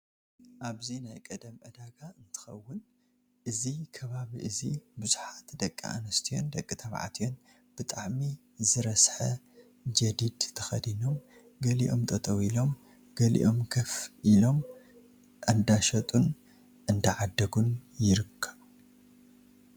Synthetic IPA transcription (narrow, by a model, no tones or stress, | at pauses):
ʔaβzinajkʼɐd̪ɐmʔɐd̪aɡaɨnt̪ʰɨ̥xɐ̰wːʊn | ʔɨzikʰɐβaβiʔɨzibuzuħat̪d̪ɐkʼːḭʔa̰nɐst̪ʰijo̞nd̪ɐkʼːit̪ʰɐβʕa̰t̪ʰijo̞n | b̥ɨt̪ʼaʕmi | zɨɾɐsħɐ | d͡ʒɐd̪id̪t̪ʰɐxɐd̪ino̞m | ɡɐliʔo̞̰mt̪ʼɐt̪ʼɐwilo̞m | ɡ̥ɐlḭʔo̞mkʰɐfʔilo̞m | ʔɨnd̪aʃɐt̪ʼun | ʔɨnd̪ɐʕad̪ːɐɡunjɪɾɨkʰːɐβ